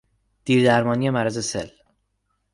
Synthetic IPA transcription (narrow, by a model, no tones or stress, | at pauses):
d̪̥iːɾd̪æɾmɒːnije̞mæɾæze̞sḛl